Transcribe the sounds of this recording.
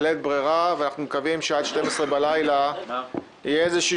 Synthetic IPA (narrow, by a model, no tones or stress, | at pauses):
let̪̚bʁiʁaveanaχnumekavimʃead̪ʃte̞mesʁebalajla | ijeezeʃiː